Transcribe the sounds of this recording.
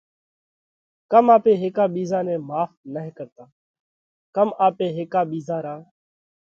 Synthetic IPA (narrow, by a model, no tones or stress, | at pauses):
kəmaːpeːɦeːkaːɓiːzãːnẽːmaːfnəɦẽkəɾt̪aː | kəmaːpeːɦeːkaːɓiːzaːɾãː